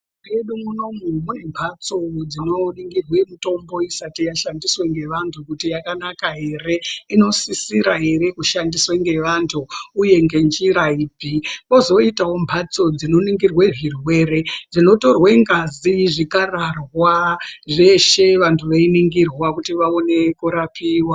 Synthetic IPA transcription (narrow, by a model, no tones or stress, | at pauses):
eɗumuno̞mumune̞mbʰʱat͡so̞d͡zino̞niŋɡirwemuto̞mbo̞isatijaʃandisweŋɡe̞ʋantʰukutijakanakaɦe̞re̞ino̞sisiɾaɦe̞ɾe̞kuʃandisweŋɡe̞ʋantʰuːje̞ŋɡe̞nd͡ʒiɾaiːpiko̞zo̞itawo̞mbʱat͡so̞d͡zino̞niŋɡirweʐirwe̞red͡zino̞to̞rweŋɡaziʐikararwaʐe̞ʃe̞ʋantʰuʋeiniŋɡirwakutiʋaone̞kuɾapʰiːwa